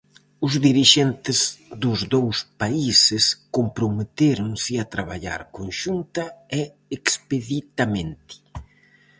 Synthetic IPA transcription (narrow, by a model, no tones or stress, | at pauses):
ʊzðiɾiʃɛnt̪ɪzðʊzðowspaisɪskompɾomet̪eɾʊŋsɪat̪ɾaβaʎa̰ɾkonʃunt̪ɐɛ | ekspeðit̪amẽnt̪i̥